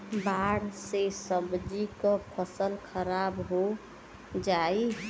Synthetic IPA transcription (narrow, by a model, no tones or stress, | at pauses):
baɽsesəbd͡ʒikəpʰəsəlkʰəɾabɦo | d͡ʒai